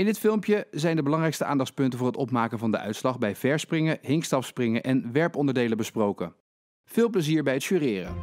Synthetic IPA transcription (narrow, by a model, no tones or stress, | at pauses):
ɪndɪtfɪlˠmpjəzɛjndəbəlɑŋrɛjkstəʔa̰ːndɑχspɵntəvʊːɹɦətɔpmaːkəvɑndəʔœ̰ɥtslɑχbɛjvɛɹsprɪŋəɦɪŋkstɑfsprɪŋəʔɛnʋɛɹpɔndəɹdejləbəsprowkə | v̥ɪːlˠpləziːɹbɛjɦətʃyːrɪːrə̰